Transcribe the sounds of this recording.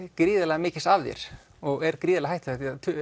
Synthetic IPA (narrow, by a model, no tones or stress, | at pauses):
kɾiːðalɛɣamɪːcɪst̪avðjɛ̰ɾ̥ | ɔɣɛɾkɾiːðlɛɣɦajht̪aht̪iat̪ʰ